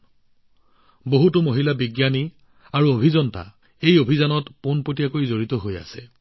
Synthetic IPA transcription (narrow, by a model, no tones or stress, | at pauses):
boɦutʊmoɦilabiɡjani | aɹuobʱizɔnta̰ | ejobʱizanɔtponpot̬ijakojzoɹitɔɦoja̰sɛ